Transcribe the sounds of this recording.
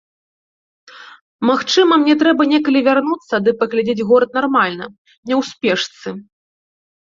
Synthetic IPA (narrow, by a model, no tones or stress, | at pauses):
maxt͡ʂɨmɐmnʲɛt̪ɾɛbɐnʲɛkɐlʲivʲarnut̪sːɐd̪ɨpɐɣlʲad͡zʲed͡zʲɣɔɾɐt̪̚narmalʲnɐ | nʲɛwspʲɛʂt̪sɨ